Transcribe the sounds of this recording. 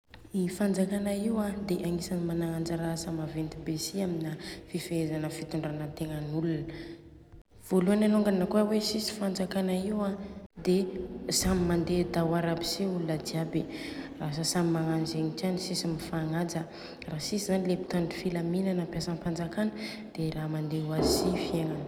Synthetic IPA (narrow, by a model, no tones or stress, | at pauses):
mifand͡zakanaiwad̪eʔaŋisanimanaŋand͡zəɾasəmavent̪ibesiaminəfifeezanəfit̪uɳɖ͡ʐanət̪eŋənulunə | v̥oluananoŋɡanəkuawesisi̥fand͡zakanaiwad̪esamimand̪ed̪awaɾabi̥siulunəd̪iaberas̬əsamimaŋand͡ʒeŋit͡ʃanisisimifaŋad͡zə | raɦsisizanilebi̥t̪aɳɖ͡ʐifilaminanampjasənpand͡zakanə | d̪̥eramand̪ewazisifieŋan